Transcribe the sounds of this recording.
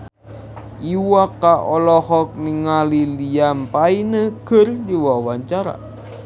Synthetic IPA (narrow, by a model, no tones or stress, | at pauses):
ʔiwakːaʔɔlɔhɔk̚niŋaliliampainəkɨrdiwawaɲt͡ʃaɾa̰